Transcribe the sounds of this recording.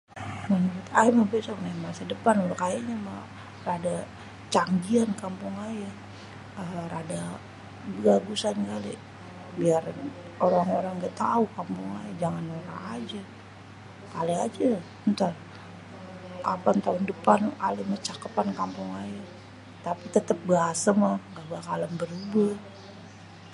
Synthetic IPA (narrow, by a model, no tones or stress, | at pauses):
mənuɾʊt̪aimahbesɔknamasidəpanulakajaɲama | rada | t͡ʃaŋɡiankampʊŋaja | əɾada | bəɡaɡusanɡalḛ | biar | oɾaŋoɾaŋɡat̪aukampʊŋa̰jad͡ʒaŋanoɾa̰ŋad͡ʒa | kalead͡ʒa | ənt̪ar | apant̪aʊndəpanalemat͡ʃakəpankampʊŋaja | t̪apit̪ət̪əp̚ɡəasamahŋɡaʔbakaləmbəɾubə